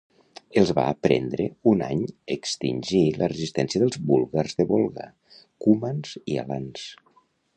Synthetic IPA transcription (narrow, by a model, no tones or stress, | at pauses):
əlˠzβa̰ːpɾɛ̰nd̪ɾəuna̰ɲəkst̪inʲʒilərəzist̪ɛnsiəðəlˠzbulˠɣarzðəβolˠɣa̰ | kumanz̥ia̰lans